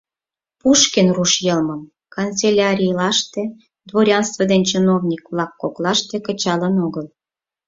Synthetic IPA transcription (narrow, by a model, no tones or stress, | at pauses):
puʃkenruʃjəlməm | kont͡selʲɑɾʲijlɑʃt̪ĕ | d̪βoɾʲɑnst̪vəd̪enʲt͡ɕənovnʲikβlɑkːoklɑʃt̪ĕkət͡ɕɑlənoɣəl